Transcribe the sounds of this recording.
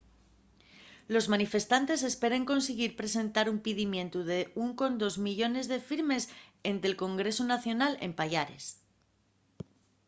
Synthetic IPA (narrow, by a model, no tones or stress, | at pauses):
lo̞zmanife̞st̪ant̪e̞se̞spe̞ɾe̞ŋko̞ns̬eɣ̞iɾpɾe̞se̞nt̪aɾumpiðimjẽ̞nt̪uðe̞uŋko̞nd̪o̞zmiʎo̞ne̞zðe̞fiɾme̞se̞nt̪e̞lko̞ŋɡɾe̞sunaθjo̞nale̞̰mpaʎaɾe̞s